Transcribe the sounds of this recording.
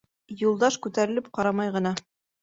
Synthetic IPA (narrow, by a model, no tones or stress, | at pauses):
julˠd̪ɑʃkʉt̪æɾɘ̆lɘp̚qɑɾɑmɑjʁɤ̆nɑ